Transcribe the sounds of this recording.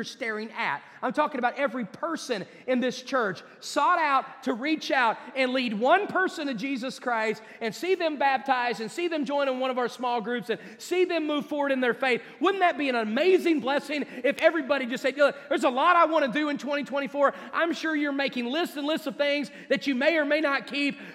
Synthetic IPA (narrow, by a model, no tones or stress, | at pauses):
ə˞stɛɹɪ̃ŋɨ̰t̚ | ãɪ̃mtʰɔkɪ̃ŋɨəbaʊɾɛvɹipʰɜ˞sɨ̃n | ɨ̃nðɪst͡ʃʰɜ˞t͡ʃ | sɔɾaʊtʰɨɹit͡ʃaʊɾɨ̃nlid̚wʌ̃npʰɜ˞sɨ̃ntɨd͡ʒizɨskʰɹ̥aɪst | ɨ̃nsiðɨ̃mbæp̚tʰaɪzɨ̃nsiðɨ̃md͡ʒɔ̃ɪ̃ñɨ̃nwʌ̃ɾ̃ʌvaə˞smɔlˠɡɹʉpsɨ̃n | siðɨ̃mːuv̥fɔɹwə˞ɾɨ̃nðə˞feɪθ | wʊdⁿn̩ðɨt̚b̥iɨ̃nəmeɪzɪ̃ŋblɛsɪ̃ŋɨfɛvɹibɑɾid͡ʒʌstsɛɪðə˞zəlɔɾaɪwɑ̃ɾ̃ɨdɨɨ̃ntʰw̥ɛ̃ɾ̃itʰw̥ɛ̃ɾ̃ifɔɹ | ʔã̰ɪ̃mʃʊɹjə˞meɪkɪ̃ŋlɪstɨ̃nlɪstsʌv̥θɪ̃ŋz | ðɨt͡ʃɨmeɪə˞meɪnət̚kʰip̚